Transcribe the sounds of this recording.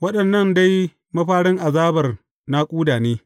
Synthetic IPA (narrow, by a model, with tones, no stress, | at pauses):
wɐ˦ɗɐ˨nːɐ˦˨nda˦j | mɐ˦ɸaː˦ɽɪ˦ŋʔa˨zaː˦bɐ˨r | na˦kʷʼuː˦daː˨neː˦